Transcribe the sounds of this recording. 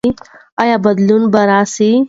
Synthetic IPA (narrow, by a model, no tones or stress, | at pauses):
ɐjabɐd̪lunbɐɾaːsi